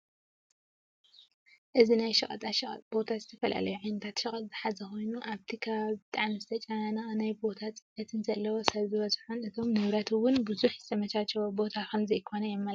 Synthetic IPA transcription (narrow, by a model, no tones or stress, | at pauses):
ʔɨzinajʃɐχʼɐ̰t̪ʼaʃɐχʼɐ̰t̪ʼbo̞t̪ʰazɨt̪ʰɐfɐla̰lɐjuʕajnɐt̪ʰat̪ʃɐχʼɐt̪ʼzɨħazɐxo̞jnuʔaβt̪ʰikʰɐβaβbɨt̪ʼaʕmizɨt̪ʰɐt͡ʃʼajananajbo̞t̪ʰatt͡sʼɨɐt̪ʰɨnzɐlːɐwosɐβzɨβɐzħonɨt̪ʰo̞mnɨβɾɐt̪ʰwʊnbɨzuħz̥ɨ̥sʰɐmɐt͡ʃat͡ʃːɛwobo̞t̪ʰakʰɐmzɐjkʰo̞nɐjɛmːɐl